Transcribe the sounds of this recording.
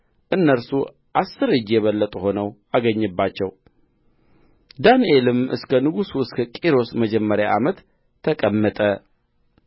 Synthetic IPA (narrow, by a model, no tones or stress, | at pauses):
ʔɨnːəɾsu | ʔasːɨɾɨd͡ʒjɛβəlːət̪ʼuho̞nəwaɡəɲːɨbːat͡ʃːɛ̰w | d̪anielɨmʔɨ̰skʰənɨɡusuɨskʰəkʼiɾo̞sməd͡ʒɛmːəɾjaʔamət̪ʰː | əkʼəmːət̪ʼə